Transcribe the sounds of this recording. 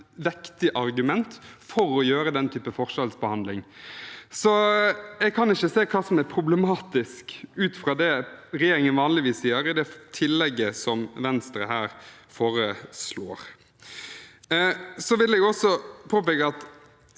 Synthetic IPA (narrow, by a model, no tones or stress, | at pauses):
ʋɛkt̪ɪʔɑɾɡʉmɛnt̪fɔɾɔjøːɾəd̪ɛnt̪ʰyːpəfɔʁʂɑlsbəhɑnd̪lɪŋ | sɔɛɡkʰɑnɪçːəseːkʰɑːsɔmæɾpʰɾʊblɛmɑːt̪ɪskʉːt̪fɾɑːd̪ɛɾɛjeːɾɪŋənʋɑːnlɪʋiːsiːəɾɪd̪ɛt̪ʰɪlːɛɡːəsɔmʋɛnst̪ɾə̰ɦæːɾfoːɾəsloːɾ | sɔʋɪlːɛɡjɔsɔpʰoːpɛkəɑt̪